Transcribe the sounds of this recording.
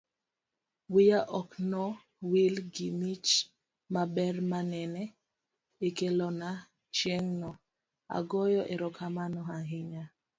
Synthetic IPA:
wijaʔɔknɔ | wilɡimit͡ʃ | mabɛrmanɛnɛ | ikelɔna | t͡ʃjeŋnɔ | a̰ɡɔjɔʔeɾɔkʰamanɔɦaɦɪɲa

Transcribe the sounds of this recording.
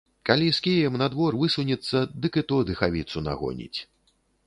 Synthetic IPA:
kalʲiskʲijɛmnad̪vɔrvɨsunʲɛt̪sːɐd̪ɨkɨt̪ɔd̪ɨxavʲit̪suna̰ɣɔ̰nʲḭt͡sʲ

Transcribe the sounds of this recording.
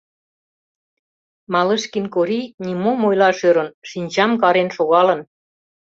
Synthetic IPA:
mɑlə̆ʃkinkoɾinimomojlɑʃøɾə̆nʃinʲt͡ɕɑmkɑɾenʃoɣɑlən

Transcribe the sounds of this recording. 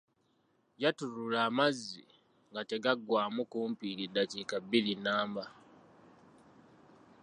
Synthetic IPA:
ɟatuɾulaːmazːḭ | ŋɡate̞ɡaɡwaːmukuːmpiːlidaciːkabilinaːmba

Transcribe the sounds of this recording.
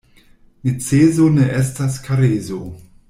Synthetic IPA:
nit͡seːzoneʔestaskaɾeːzo

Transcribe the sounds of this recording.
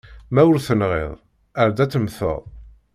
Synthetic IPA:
mæwʊɾθənʁḛðˤ | əɾd̪æt͡sːəmθə̰ðˤ

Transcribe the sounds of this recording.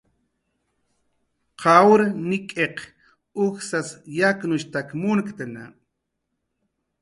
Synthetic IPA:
qʰɑwɾnɪkʼeq | ʊxsasjaknʊʃt̪akmʊnkt̪ana̰

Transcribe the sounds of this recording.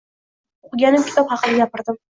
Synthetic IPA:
ʊqʊɡʲanɪmkʲɪ̥t̪ɒphɑqɨnajapɪɾd̪ɪm

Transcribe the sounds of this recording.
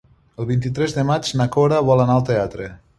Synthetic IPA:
əlˠβint̪it̪ɾɛzðəmad͡ʒnakoɾaβɔlanaəlˠt̪eat̪ɾe

